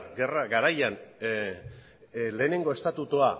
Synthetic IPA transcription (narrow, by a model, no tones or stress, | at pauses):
ɡe̞raɡaɾajan | le̞ːne̞ŋɡo̞e̞st̪at̪ut̪ua